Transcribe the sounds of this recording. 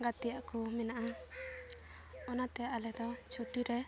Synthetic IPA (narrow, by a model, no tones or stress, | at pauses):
ɡat̪ijaʔkumɛnaʔa | ɔnat̪ɛalɛd̪ɔt͡ʃʰuʈiɾɛ